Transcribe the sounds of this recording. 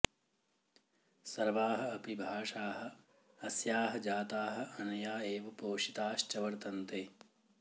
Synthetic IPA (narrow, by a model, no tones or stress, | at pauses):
sɐɾʋaːɦɐ̆ɐpibʱaːʂaːɦɐ̆ | ɐsjaːɦɐ̆d͡ʒaːt̪aːɦɐ̆ɐnɐjaːeːʋɐpoːʃit̪aːʃt͡ʃɐʋɐɾt̪ɐnt̪eː